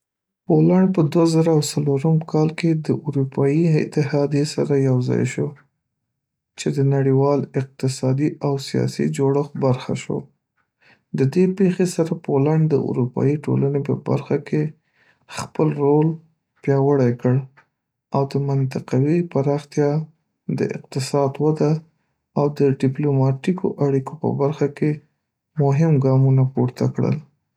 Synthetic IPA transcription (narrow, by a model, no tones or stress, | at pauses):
polaɳɖpəd̪wazaɾaːwsaloɾəmkʰɑlked̪əʔʊɾupʰɑjiɪ̰t̪ɪhɑd̪jesaɾajawzɑ̰jʃo | t͡ʃed̪ənaɽiwɑlɪq̚t̪ɪsɑd̪iawsijɑ̰sḭd͡ʒoɽəxbaɾxa̰ʃo̰ | d̪əd̪epexesaɾapolaɳɖd̪əʔʊ̰ɾupɑ̰jiʈo̰lanepə̰ba̰ɾxakʰe | xpəlɾol | pjɑwəɽajkəɽ | awd̪əmant̪ɪqawipaɾɑxt̪jɑ | d̪ə̰ʔɪ̰q̚t̪ɪsɑd̪wad̪aː | wd̪əɖɪplomɑʈikʰoʔaɽikopə̰baɾxake | mʊɦɪmɡɑmunapuɾt̪akɽə̰l